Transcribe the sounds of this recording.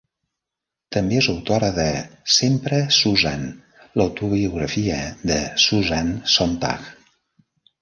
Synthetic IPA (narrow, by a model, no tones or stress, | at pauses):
t̪əmbeezəwt̪oɾəðəsempɾəsuzan | ləwt̪uβiuɣɾəfiəðəsuzansont̪a̰k